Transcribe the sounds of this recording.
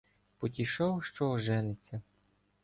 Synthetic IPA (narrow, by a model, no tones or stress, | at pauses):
pɔt̪ʲiʃɔwʃt͡ʃɔʒɛnet͡sʲːɐ